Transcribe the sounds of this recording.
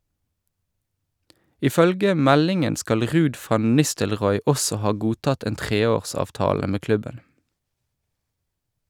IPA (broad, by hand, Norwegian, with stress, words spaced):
ɪˈfœlɡə ˈmɛlɪŋən ˈskɑl ˈʁʉːd ˈfɑn ˈnɪstəlˌʁɔʏ ˈɔsɔ ˈhɑː ˈɡuːˌtɑt ˈeːn ˈtʁeːˌoːʁsɑːfˌtɑːlə ˈmeː ˈklʉbən